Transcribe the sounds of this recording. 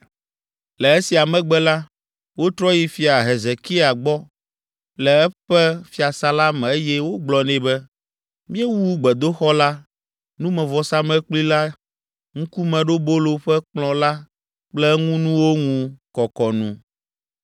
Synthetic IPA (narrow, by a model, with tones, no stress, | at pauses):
lɛ˨e˦si˨a˨mɛ̃˦ɡ͡bɛ˦la˦ | wo˦t̪ɾɔ˦ji˨fi˨a˨ɦe˨ze˨ki˦a˨ɡ͡bɔ˦ | lɛ˨ɛ˦ɸɛ˦fi˦a˨sa˨la˦mɛ˨e˦jɛ˦wo˦ɡ͡blɔ˨nɛ̃˨bɛ˦ | mĩ˦ɛ˦wu˦ɡ͡bɛ˨d̪o˦xɔ˦la˦ | nũ˦mɛ̃˨vɔ˨sa˦mɛ̃˦k͡pli˦la˦ | ŋũ˦ku˦mɛ̃˨ɖo˦bo˦lo˨ɸɛ˦k͡plɔ̃˨la˦ | k͡plɛ˦ŋũ˦nũ˦wo˦ŋũ˦kɔ˨kɔ˨nṵ̃˦